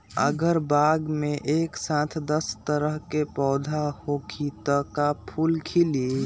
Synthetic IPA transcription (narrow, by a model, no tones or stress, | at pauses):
ə̰ɡəɾbaɡmeʔeksãt̪ʰd̪əst̪əɾəɦkepɔːd̪ʱahokʰit̪əkapʰulkʰili